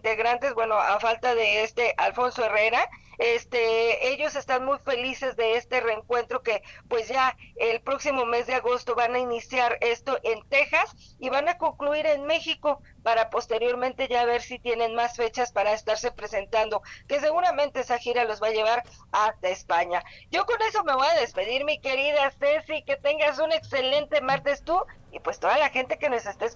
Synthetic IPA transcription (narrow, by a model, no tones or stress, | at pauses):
int̪e̞ɣɾant̪e̞zbwe̞no̞ʔafalt̪aðe̞est̪e̞ʔalfo̞nso̞e̞re̞ɾaest̪ee̞ʝo̞se̞st̪anmujfe̞lise̞zðe̞est̪e̞re̞ŋkwe̞nt̪ɾo̞ke̞pwe̞zʝaelpɾo̞ksimo̞me̞zðe̞aɣo̞st̪o̞βanainisjaɾe̞st̪o̞ʔe̞nt̪e̞xas | iβanako̞ŋkluiɾe̞nme̞xiko̞ | paɾapo̞st̪e̞ɾjo̞ɾmẽ̞nt̪e̞ʝaβe̞ɾsit̪je̞ne̞nmasfe̞t͡ʃaspaɾaest̪aɾse̞pɾe̞se̞nt̪and̪o̞ke̞s̬e̞ɣuɾamẽ̞nt̪e̞esaxiɾalozβaʝe̞β̞aɾ | ast̪aespaɲaɟ͡ʝo̞ko̞ne̞so̞me̞βojaðe̞spe̞ðiɾmike̞ɾiðase̞sike̞t̪e̞ŋɡasune̞kse̞le̞nt̪e̞maɾt̪e̞st̪u | ipwe̞st̪o̞ðalaxe̞nt̪e̞ke̞no̞se̞st̪e